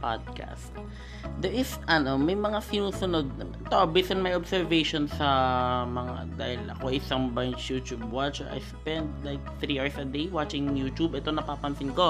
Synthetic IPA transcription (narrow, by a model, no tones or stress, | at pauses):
pa̰d̪̚ka̰st̪̚ | d̪ɛɹʔɪsʔɐno̞mɐjmɐŋasɪnuːsʊnod̪̚ɐ | t̪oʔɐbisɪnmɐjobsɛɹvejʃonsɐmɐŋa̰d̪a̰ːhɪlɐ̰koɐsɐŋbaŋsjuːt̪jubwat͡ʃɛɹɐ̰jspɛnd̪̚laɪk̚θɾiʔaɹsɐd̪ejwat͡ʃɪŋjuːt̪ubʔɛt̪o̞nɐpaːpɐnsɪnko̞